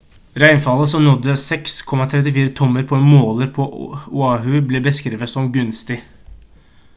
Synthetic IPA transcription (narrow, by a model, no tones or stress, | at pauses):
ɾæɪnfɑlːəsɔmnɔd̪ːəsɛkskʰɔmɑt̪ʰɾɛt̪ɪfiːɾət̪ʰɔmːəɾpʰɔɛnmoːləɾpʰɔʊɑːɦʉbleːbəskɾiːʋət̪sɔmɡʉnst̪ɪ